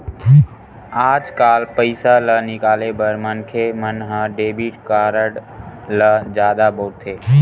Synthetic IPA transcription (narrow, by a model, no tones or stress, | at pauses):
aːd͡ʒkaːlpəɪsalənɪkaːlebəɾmənkʰemənɦə̃ɖeːbiʈkaːɾəɽləd͡ʒjaːd̪abɔːt̪ʰːeː